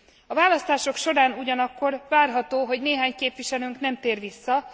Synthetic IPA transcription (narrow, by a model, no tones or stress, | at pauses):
ɒvaːlɒst̪aːʃo̞kʃo̞ɾaːnuɟɒnɒkːo̞rvaːrɦɒt̪oːɦo̞ɟneːɦaːɲkeːpʋiʃɛlyŋknɛmt̪eːrʋisːɒ